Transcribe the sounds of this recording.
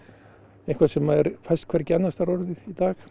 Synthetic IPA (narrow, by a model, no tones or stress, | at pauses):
ẽhŋkʰvḁsɛmːaðɛɾfajst̪kʰvɛɾcɛnːast̪aɾɔɾðɪðit̪aːx